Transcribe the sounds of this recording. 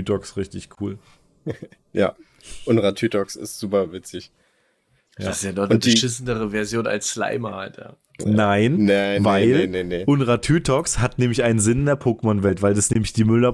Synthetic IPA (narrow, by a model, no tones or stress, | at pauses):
ytʰɔksʁɪçtɪçkʰuːl | ja̰ː | ʔʊnʁatʰyːtɔksɪ̰stz̥uːpɐvɪt͡sɪç | ja̰ssjadɔʊndiʃɪsn̩dəʁəvɛɐzjoːna̰lsʃla̰ɪmɐhaltja̰ː | naɪnnaɪvaɪlneneʔʊnʁatʰyːtʰɔkshatnɛːmlɪçaɪnənzɪnndeːɐpʰoːkəmɔnvɛltv̥aɪldasnɛːmɪçd̥iːmʏlɐ